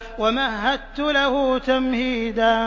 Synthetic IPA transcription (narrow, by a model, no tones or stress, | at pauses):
wamaɦːad̪t̪ːʊlahʊːt̪amhiːd̪a